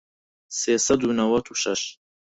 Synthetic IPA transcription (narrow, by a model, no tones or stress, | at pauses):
seːsɐd̪unɐwɐt̪ʰuʃɐʃ